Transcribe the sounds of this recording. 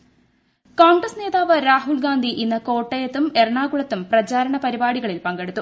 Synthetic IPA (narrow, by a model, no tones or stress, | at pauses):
koːŋɡrɐsne̞ːðaːʋɐɾaːɦulɡaːnd̪ʱiʔinːɐko̞ːʈːɐjɐt̪ːume̞rɳaːɣuɭɐt̪ːumprɐt͡ɕaːɾɐɳɐpɐɾibaːɽiɣɐɭilpɐŋɡe̞ɽut̪ːu